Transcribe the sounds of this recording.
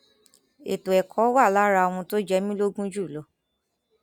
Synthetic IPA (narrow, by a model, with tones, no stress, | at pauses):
ḛ˨to˨ɛ˨kʰɔ˨˦wa˦˨la˦ɾa˧w̃ũ˧to˦d͡ʒɛ˦mĩ˦lo˦ɡũ˦d͡ʒu˦˨lo˨˦